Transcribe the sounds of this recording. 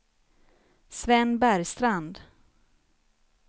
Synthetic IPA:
svɛnːbæɾjst̪ɾand̪

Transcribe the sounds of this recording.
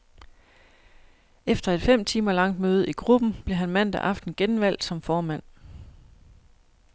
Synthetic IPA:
efd̥ɐe̝d̥fem̰t͡sʰiːmɐlɑ̈ŋ̰d̥møːð̞̩ˠiɡ̥ʁub̥n̩b̥le̝ɦænmæn̰d̥æʔɑ̈fd̥n̩ɡ̥enʋæl̰d̥sɒ̽mfɒːmæn̰

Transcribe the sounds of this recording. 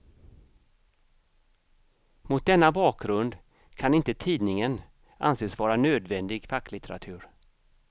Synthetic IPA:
mʊt̪̚d̪ɛnːabɑːkɡɾɵnd̪ | kʰanɪnt̪ət̪ʰiːd̪nɪŋən | ʔa̰nseːsvɑːɾanøːd̪vɛnd̪ɪɡfakːlɪt̪əɾa̰t̪ʰʉ̟ːɾ

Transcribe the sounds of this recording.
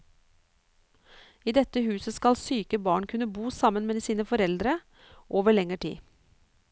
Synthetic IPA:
iːd̪ɛt̪əhʉːsəskɑlsyːkəbɑːɳkʰʉnəbuːsɑmənmeːsiːnəfɔɾɛld̪ɾə | ʔoːʋəɭɛŋəʈʰḭː

